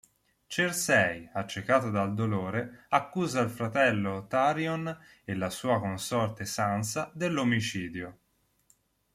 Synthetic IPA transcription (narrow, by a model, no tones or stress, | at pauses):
t͡ʃersɛjat͡ʃːekaːt̪od̪ald̪oloːɾeakːuːzailfɾat̪ɛlːot̪aɾjon | elːasuːakonsɔrt̪esansad̪elːomit͡ʃiːd̪jo